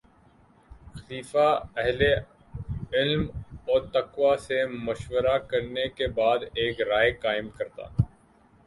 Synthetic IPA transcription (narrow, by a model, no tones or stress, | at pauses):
xɐliːfaɛɦle | ɪlmɔːɾt̪ɐkwasemʊʃwəɾakɐɾnekebaːd̪eːkɾaːekaːɪmkɐɾt̪a̰ː